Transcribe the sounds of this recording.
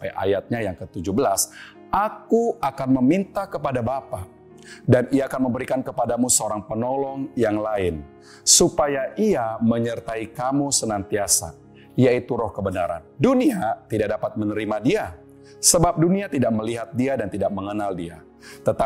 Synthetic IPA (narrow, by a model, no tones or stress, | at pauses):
aa̰jat̪̚ɲajaŋkət̪ud͡ʒubəlas | ʔakuakanməmint̪ahkəpadabapa | daniaːkanməmbəɾikankəpadamusəoɾaŋpənɔlɔŋjaŋlaɪn | supajaʔiaməɲərt̪aikamusənant̪iasa̰ | ijait̪uɾɔhkəbənaɾa̰nduniat̪idaʔ̚dapat̪̚mənəɾimadia | səbap̚duniat̪idak̚məliɦat̪̚diadant̪idak̚məŋənaldia | t̪ət̪a